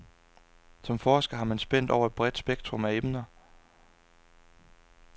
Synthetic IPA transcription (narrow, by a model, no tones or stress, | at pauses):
sɒ̽mfɒːsɡ̥ɐɦɑ̈mænsb̥en̰d̥ɒʊɐe̝d̥̚b̥ʁɛd̥sb̥eɡ̥̚d̥ʰʁɔ̽mæemnɐ